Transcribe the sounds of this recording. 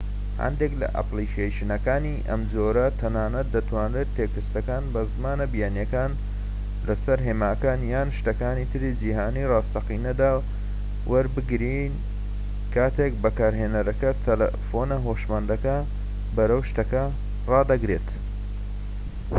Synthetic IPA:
hɐ̰nd̪eklɐ̰ʔa̰plikʰeʃɨnɐkaːniʔɐ̰mzoːɾɐt̪ʰːɐnaːnɐt̪̚d̪ɐt̪ʰwaːnɾeːt̪ʰːeːkɨst̪ɐkaːnbɐzmaːnɐbijaːnjɐkaːn | lɐsɐɾɦeːmaːkaːnjaːnʃt̪ɐkaːnit̪ʰɨɾid͡ʒiɦaːnirɑːst̪ɐqinɐd̪aː | wʔɐɾbɨɡɾin | kʰaːt̪ʰek̚bɐkaːɾɦeːnɐɾɐkɐt̪ʰɐlɐ̰fonɐɦoːʃmɐnd̪ɐkɐ | bɐɾɐwʃt̪ɐkɐ | rɑːd̪ɐɡɾeːt̪

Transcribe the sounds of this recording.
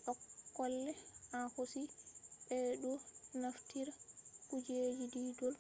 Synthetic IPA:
ʔɔkːɔlːɛahosiɓɛɗɔnaftiɾakud͡ʒed͡ʒididɔl

